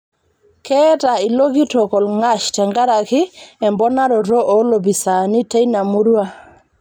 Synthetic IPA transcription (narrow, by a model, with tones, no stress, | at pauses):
kɛ˦ta˨ɪ˨lo˦ɡi˦tɔ˨kɔ˨lŋa˦ʃtɛ˨ŋɡa˦ɾa˨kɪ˦ɛ˨mbɔ˦na˦ɾɔ˨ɾɔ˦ʔɔ˨˦lo˨bi˨sa˨nɪ˦te˦jna˨mu˦ɾwa˦